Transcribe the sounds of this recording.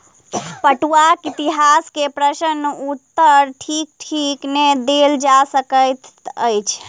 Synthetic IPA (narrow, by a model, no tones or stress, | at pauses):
pəʈuakit̪iɦaskepɾəsənːut̪ːəɾʈʰik̚ʈʰikned̪eld͡ʒasəkəjt̪ə̰jt͡ʃʰ